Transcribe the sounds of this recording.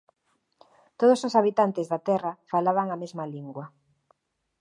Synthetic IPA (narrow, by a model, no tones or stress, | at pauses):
t̪oð̞ososaβit̪ant̪ezðat̪ɛrafalaβaŋamezmaliŋɡwɐ